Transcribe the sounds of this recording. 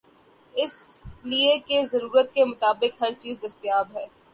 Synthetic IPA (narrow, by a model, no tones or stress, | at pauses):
ɪsliekezɐɾuːɾət̪kemʊt̪aːbɪkɦɐɾt͡ʃiːzd̪ɐst̪jaːbɦɛː